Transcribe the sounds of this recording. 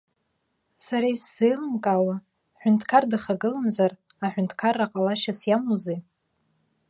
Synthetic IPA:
saɾaisːejlɨmkʼawa | ħʷᶣʊntʰkʰardɨχaɡɨlamzar | aħʷᶣʊntʰkʰarːaqʼalaʃasjamuze

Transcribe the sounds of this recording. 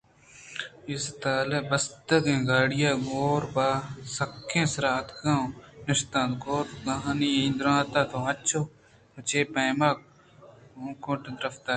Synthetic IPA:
ɪst̪aːlebɐst̪ɐkẽːɡaːɽɪjaːɡoːɾpaːsɐkʰːẽːsɾaːt̪ɡãːnɪʃt̪ãːt̪ɡoːt̪ɡɐɦaniĩd̪ɾãːt̪aːt̪ʰoɐt͡ʃʰoː | ɐt͡ʃeːpɐːmaːk̚ | õːkõːʈed̪ɾɐft̪aː

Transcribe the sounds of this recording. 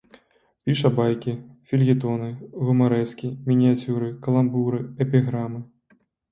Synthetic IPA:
pʲiʂɐbajkʲifʲilʲɣʲit̪ɔnɨɣumaɾɛskʲimʲinʲiat͡sʲuɾɨkɐlˠambuɾɨɛpʲiɣɾamɨ

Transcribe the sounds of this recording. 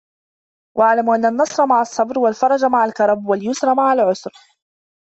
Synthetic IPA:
wʔaʕlamʔanːanːɑsˤɾˤɑmaʕasˤːɑbɾwalfɑɾˤɑd͡ʒmaʕalkɑɾˤɑbwaljʊsɾˤɑmaʕalʕʊsɾ

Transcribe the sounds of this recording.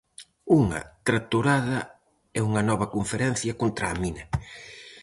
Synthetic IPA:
uŋɐ̰t̪ɾat̪uɾaðɐ | ɛuŋɐnɔβ̞ɐkoɱfeɾɛn̟θjɐkont̪ɾaːminɐ

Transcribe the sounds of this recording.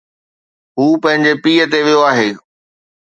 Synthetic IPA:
ɦuːpɐ̃ɦɪ̃ɲd͡ʑepiːət̪̬eʋijoaːɦeː

